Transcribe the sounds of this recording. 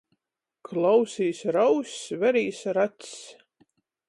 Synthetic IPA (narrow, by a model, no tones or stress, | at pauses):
kʰlˠawsʲiːsɾawsʲvæɾiːsɾat̪